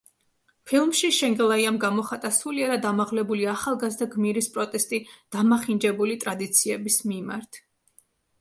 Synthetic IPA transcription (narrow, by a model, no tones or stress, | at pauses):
pʰilˠmʃiʃɛŋɡɛlˠaiamɡamɔχat̪ʼasuliaɾad̪amaʁlɛbuliaχalˠɡazd̪aɡmiɾispʼɾɔt̪ʼɛst̪ʼid̪̥amaχind͡ʒɛbulit̪ʼɾad̪it̪sʰiɛbismima̰ɾt̪ʰ